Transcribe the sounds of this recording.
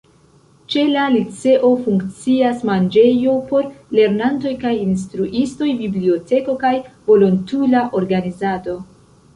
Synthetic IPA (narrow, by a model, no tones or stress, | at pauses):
t͡ʃe̞lalit͡se̞ʔo̞fuŋkt͡siasmand͡ʒe̞jo̞po̞ɾle̞ɾnanto̞jkajins̬tɾuʔisto̞jbiblio̞te̞ko̞kajvo̞lontulaʔo̞ɾɡanizado̞